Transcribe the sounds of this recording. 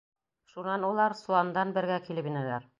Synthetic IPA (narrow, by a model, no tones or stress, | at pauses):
ʃunɑnulˠɑɾsulˠɑnd̪ɑnbɘ̆ɾɡækilɘpinælæɾ